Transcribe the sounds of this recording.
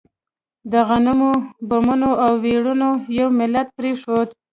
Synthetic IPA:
d̪əɣanʊmobʊmʊnoʔawːeɽunojawmɪlat̪̚pɾeʂod̪

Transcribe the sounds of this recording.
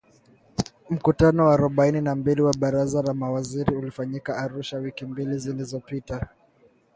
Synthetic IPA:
m̩kutanɔwaaɾɔɓaininambiliwaɓaɾazalamawaziɾiulifaɲikaːɾuʃawikimbilizilizɔpita

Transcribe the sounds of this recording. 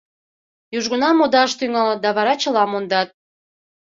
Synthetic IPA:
juʒɣənɑmod̪ɑʃt̪yŋɑl̚d̪ɑβɑɾɑt͡ɕə̆lɑmond̪ɑt̪̚

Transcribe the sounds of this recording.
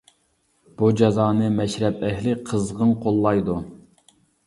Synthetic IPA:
b̥ud͡ʒɑzɑːnɨmɛʃɾɛpɛɦlɪqʰəzʁənqʰolˠːɑjd̪u

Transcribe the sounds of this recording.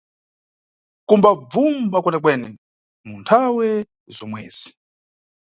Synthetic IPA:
kumbab͡vumbakwɛnɛk̬wɛːnɛ | muntʰawɛ | zɔmwɛ̰ːz̥i̥

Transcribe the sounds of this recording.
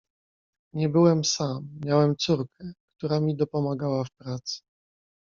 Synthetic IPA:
ɲɛbɘwɛmsamːʲjawɛmt̪suɾkɛkt̪uɾamʲid̪ɔpɔmaɡawafpɾat̪sɘ̥

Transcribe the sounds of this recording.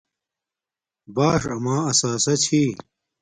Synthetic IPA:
baːʂɐmaːɐsaːsɐt͡ɕʰiː

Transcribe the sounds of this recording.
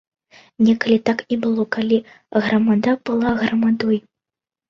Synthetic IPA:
nʲɛkɐlʲit̪aknʲɛbɨlˠɔkalʲi | ɣɾɐmad̪ab̥ɨlˠaɣɾɐmad̪ɔj

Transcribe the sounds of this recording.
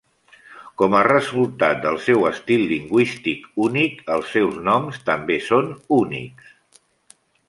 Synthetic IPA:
kɔmərəzulˠt̪at̪̚d̪əlˠsɛwəst̪ilˠːiŋɡwist̪ikunikəlˠsɛwznɔmst̪əmbesonunḭks

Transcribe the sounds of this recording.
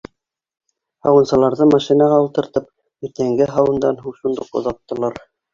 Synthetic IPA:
hɑwɤ̆nsɤ̆lˠɑɾðɤmɑʃinɑʁɑulˠt̪ɤ̆ɾt̪ɤp̚ | iɾt̪æŋɡɘɦɑwɤ̆nd̪ɑnɦuɴʃund̪ɤqŏ̰ðɑt̪ːɤ̆lˠɑɾ

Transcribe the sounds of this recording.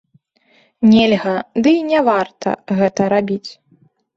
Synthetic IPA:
nʲelʲɣɐd̪ɨnʲɛvart̪ɐ̰ɣɛt̪ɐɾabʲit͡sʲ

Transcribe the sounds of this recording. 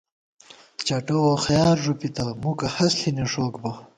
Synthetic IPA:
t͡ɕɐʈowoxɐjaːɾʐupit̪amukɐhɐsɬineʂoːkbɐ

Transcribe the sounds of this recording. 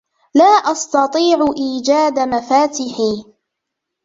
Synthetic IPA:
laːʔɑst̪ɑt̪ˤiːʕʊʔiːd͡ʒaːd̪amafaːt̪ɪħiː

